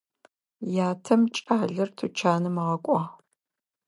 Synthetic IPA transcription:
jaːtʰɐmt͡ʃʼaːɮɐrtʰut͡ʃʰaːnɨmɐʁɐkʷʼɑː

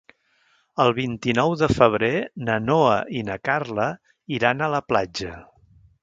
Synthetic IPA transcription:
əlˠβint̪inɔwðəfəβ̞ɾenənoəʔinəkarlə | iɾanələplad͡ʒə

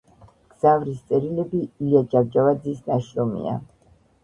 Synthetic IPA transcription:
ɡ̥z̥avɾist̪sʼɛɾilɛbilad͡ʒavd͡ʒavad̪zisnaʃɾɔmḭa̰

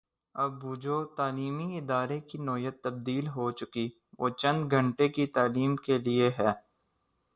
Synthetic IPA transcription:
ɐbʊd͡ʒoːt̪aːliːmiɪd̪aːɾekinɔːjət̪ːɐb̚d̪iːlɦot͡ʃʊki | ʋoːt͡ʃɐ̃nd̪ɡʱə̃ɳʈekit̪aːliːmkelieɦɛː

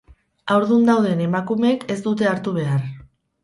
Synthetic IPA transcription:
awɾðund̪awð̞e̞ne̞makumeːke̞zd̪ut̪̬e̞aɾt̪uβ̞e̞ar

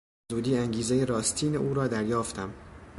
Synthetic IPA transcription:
zuːd̪iːæŋɟiːzejeɾɒːst̪ʰiːneʔuːɾɒːd̪æɾjɒːft̪ʰæm

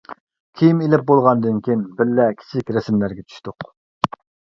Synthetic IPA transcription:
kʲʰijimelɪp̚bolˠʁɑnd̪ɨnkʲinbɪɾːɛkʲʰi̥t͡ʃʰɪkʲɾɛsmlæɾɡʲɛt͡ʃʰy̥ʃt̪ʊq

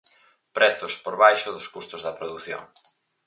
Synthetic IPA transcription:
pɾɛθʊspoɾβajʃʊðʊskust̪ʊzðɐpɾoðuθjo̰ŋ

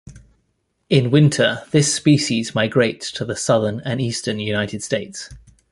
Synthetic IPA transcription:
ɪ̃nwɪ̃ntʰəðɪspiˑʃizmaɪɡɹeɪtstʰəðəsʌðənə̃niˑstənjʉnaɪtʰɪd̥steɪts

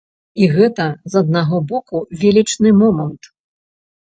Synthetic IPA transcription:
iɣɛt̪ɐzɐd̪̚naɣɔbɔkuvʲelʲit͡ʂnɨmɔmɐnt̪

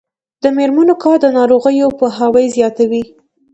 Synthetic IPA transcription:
d̪̥əmeɾmanokɑɾd̪ənɑɾoɣəjopəɦawəjzjɑt̪awi

